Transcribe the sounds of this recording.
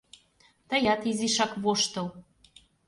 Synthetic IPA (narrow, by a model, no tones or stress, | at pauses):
t̪əjɑt̪iziʃɑkβoʃt̪ɤl